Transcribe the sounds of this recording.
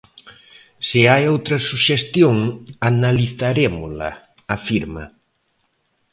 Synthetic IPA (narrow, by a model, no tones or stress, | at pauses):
sɪajowt̪ɾɐsuʃest̪joŋanaliθaɾemʊlɐ̰ | afiɾmɐ̰